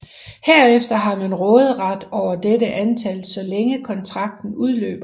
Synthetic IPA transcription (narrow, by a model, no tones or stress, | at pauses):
heɐ̰efd̥ɐɦɑ̈mænʁɔːð̞̩ˠʁɑd̥ɒʊ̰ɐd̥edəʔænt͡sʰælsɒ̽leŋəkʰɒ̽nt͡sʰʁɑ̈ɡ̥̚d̥n̩uð̞ˠlø̰ːb̥ɐ